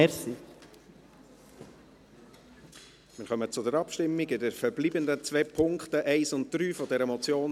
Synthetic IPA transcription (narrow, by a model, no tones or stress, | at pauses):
ɛsi | mɪɾχœmət͡sʊdəɾɑpʃtɪmːɪɡɪdɛɾfɛɾbliːbəndət͡sʋɛːpʰʊŋktəʔɛɪsʊnt̚d̥̪ɾyːfɔdɛɾəmɔt͡sjoːn